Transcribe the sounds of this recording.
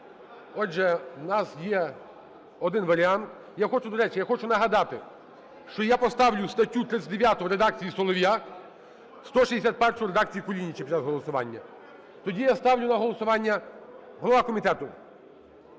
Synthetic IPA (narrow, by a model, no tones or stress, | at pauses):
ɔʒɛnɑsjɛ | ɔd̪ɪnʋɐɾʲɪant̪ | jaxɔt͡ʃʊd̪ɔɾɛt͡ʃɪjaxɔt͡ʃʊnɐɦɐd̪ɑt̪ɪ | ʃt͡ʃɔjapɔst̪ɑwlʲʊst̪ɐtʲːut̪ɾɪt̪sʲɐtʲd̪eʋʲjat̪ʊʋɾed̪ɑk̚t͡sʲijisɔlˠɔʋʲja | st̪ɔʃizesʲat̪̚ʲpɛrʂʊɾed̪ak̚t͡sʲijikɔlʲinʲːit͡ʃɛpʲit͡ʃazɦɔlˠɔsʊʋɑ̰nʲːɐ̰ | t̪ɔdʲijast̪ɑwlʲʊnɐɦɔlˠɔsʊʋɑnʲːɐ | ɦɔlˠɐʋakɔmʲit̪ɛt̪ʊ